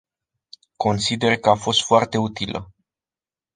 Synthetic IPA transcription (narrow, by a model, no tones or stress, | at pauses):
ko̞nsid̪e̞rkəafo̞st̪foart̪e̞ut̪ilʔə̰